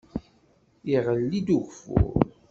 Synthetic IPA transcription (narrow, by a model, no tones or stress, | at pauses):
iʁəlːid̪uʝfʊ̰ʁ